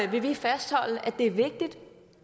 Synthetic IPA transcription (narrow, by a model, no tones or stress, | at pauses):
ʋe̝ʋifæsd̥hɒ̽l̰əʔæd̥e̝æɐʋe̝ɡ̥̚d̥id̥